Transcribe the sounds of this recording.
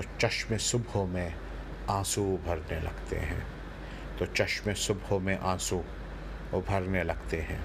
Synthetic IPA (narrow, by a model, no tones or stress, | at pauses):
ot͡ʃɐʃmẽsʊbʱomẽ | ãːsubʱəɾnelɐ̰ɡt̪ḛɦɛ̰̃ː | t̪ot͡ʃɐʃmẽsʊbomẽʔãːsu | bʱəɾnelɐɡt̪eɦɛ̃ː